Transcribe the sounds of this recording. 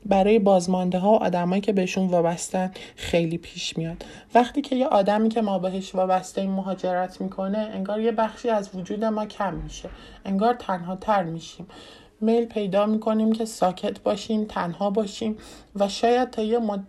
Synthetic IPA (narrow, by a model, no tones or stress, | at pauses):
bæɾɒːje̞bɒːzmɒnd̪eɦɒːoʔɒ̰ːd̪æmɒːjiːcʰe̞be̞heʃunvɒːbæst̪ænd̪xe̞jliːpʰiːʃmijɒːd̪ | væχt̪iːcʰe̞jeʔɒːd̪æmiːcʰe̞mɒːbe̞ɦeʃvɒːbæst̪eimːoɦɒːd͡ʒe̞ɾæt̪ʰmiːkʰo̞ne̞eŋɡɒːɾje̞bæxʃiːæzvod͡ʒuːd̪e̞mɒːcʰæmːiʃe̞ | ʔeŋɡɒːɾt̪ʰænɦɒːt̪ʰæɾmiːʃiːm | me̞jlpʰe̞jd̪ɒːmiːkʰo̞nimcʰe̞sɒːcʰe̞t̪ʰbɒːʃiːmt̪ʰænhɒːbɒːʃiːm | væʃɒːjæd̪̥̚t̪ʰɒːjem